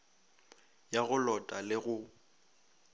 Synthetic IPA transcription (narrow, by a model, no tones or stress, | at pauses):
jaɣʊlɔtʼalɪɣʊ